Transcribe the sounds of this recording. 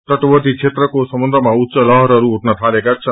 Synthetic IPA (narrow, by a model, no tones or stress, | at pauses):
t̪əʈʋəd̪it͡ʃʰet̪ɾəkosəmənd̪ʱɾəmãutːʃəlʌɦɾʌɾuuʈnət̪ʰalekat͡ʃʰə